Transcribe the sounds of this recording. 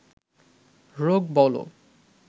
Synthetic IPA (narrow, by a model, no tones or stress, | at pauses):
ɾoɡ̚bɔlo̰